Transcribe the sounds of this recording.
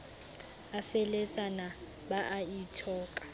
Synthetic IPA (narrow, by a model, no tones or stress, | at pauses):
afɛlet͡sʼana | baʔaitʰɔːkʼḁ